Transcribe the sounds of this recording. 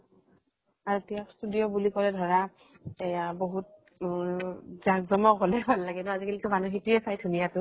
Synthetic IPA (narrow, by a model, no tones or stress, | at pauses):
aɹutijakstudijɔbulikɔlɛdʱɔɹa | ejaboɦut̚ | zaɡzɔmɔkɦɔlɛpʰallaɡɛtʊazikalikʊmanuxituɛsajdʱunijatʊ